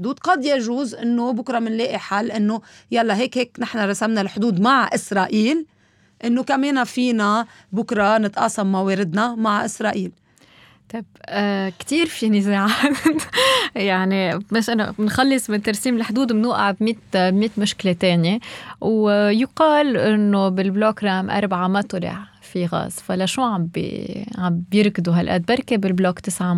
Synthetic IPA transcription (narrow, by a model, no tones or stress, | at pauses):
d̪uːd̪qɑd̪jaʒuːzʔɪnːobʊkɾˤɑmɪnleːʔiħalːʔɪnːojalːaɦeːkheːknɪħnaɾˤɑsamnalħd̪uːd̪maʕʔɪsɾˤɑːʔiːl | ʔɪnːokameːnafiːna | bʊkɾˤɑnɪt̪ʔɑːsˤɑmːaweːɾɪd̪namaʕʔɪsɾˤɑːʔiːl | t̪ˤɑbkt̪iːɾfinɪzeːʕaːt̪jaʕnimɪʃʔana̰mɪnxalːɪsˤmɪnt̪ɑɾˤsiːmɪlħd̪uːd̪mnuːʔaʕbmiːt̪bmiːt̪mʊʃklet̪eːnjewjʊqɑːlʔɪnːobɪlblokɾˤɑʔmʔɑ̰ɾˤbʕamat̪ʊlɪ̰ʕ | fiɣa̰ːzfalaʃuːʕambḭʕambjɪɾkd̪uɦalʔa̰d̪̚bɑɾˤkebɪlbloːkt̪ɪsʕam